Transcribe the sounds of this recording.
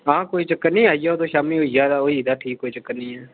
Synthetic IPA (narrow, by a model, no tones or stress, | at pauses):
ɦãːkoːit͡ʃəkːənnĩːaːijaoːt̪oːʃaːmĩɦoːijaːd̪aoːiːd̪aːʈʰiːkoːit͡ʃəkːənnĩːɛː